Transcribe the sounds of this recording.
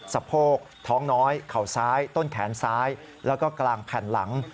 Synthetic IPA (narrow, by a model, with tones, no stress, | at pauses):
sa˧˩pʰoː˥˩k̚t̪ʰɔː˦˥ŋnɔː˦˥jkʰa˨˩wsaː˦˥jt̪o˥˩nkʰɛː˩˦nsaː˦˥j | lɛː˦˥wkɔː˥˩klaː˧ŋpʰɛː˨˩nla̰˩˦ŋ